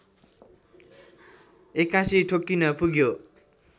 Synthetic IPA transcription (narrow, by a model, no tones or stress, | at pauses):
ekːãsiʈʰokːinʌpuɡjo